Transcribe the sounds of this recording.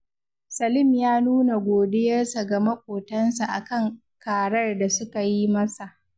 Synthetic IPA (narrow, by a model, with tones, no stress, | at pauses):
sɐ˨lɪ˦mjaː˦nuː˦na˨ɡʷoː˨dɪ˦jɐ˦rsa˨ɡɐ˨mɐ˦kʷʼoː˨tɐ˦nsa˨ʔa˨kɐ˦˨ŋ | kaː˨ɽɐ˦rda˨sʊ˦ka˨ji˦mɐ˦sa˨ʔ